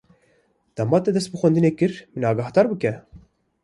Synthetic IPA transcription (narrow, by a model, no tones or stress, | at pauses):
d̪̥ɑmɑːt̪ɛd̪ɛst̪̚bɨxʷɛnd̪ɨneːkɨɾmɨnɑːɡɑhd̪ɑːɾbɨkɛ